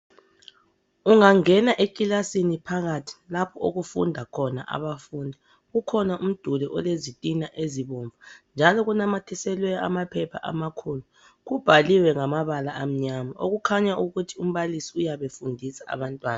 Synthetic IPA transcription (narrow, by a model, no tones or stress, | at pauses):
uŋaŋɛnaʔekʼilasinipʰaɣatʰi̥lapʰɔo̰ɣufṵndʱakʰɔna̰ʔa̰βafuːndʱa | ɣukʰɔnaʔum̩d̥ʱulɛʔɔ̰lezitʼinaʔeziβɔɱvʱand͡ʒʱalɔɣunamatʰɛsɛlwɛjɔa̰mapʰɛpʰa̰ʔa̰makʰulu | ɣub̥ʱaliwɛŋamaβalaʔːm̩ɲamao̰ɣukʰaɲaʔuɣutʰium̩βalisiujaβefundʱisaa̰βantʼwaːna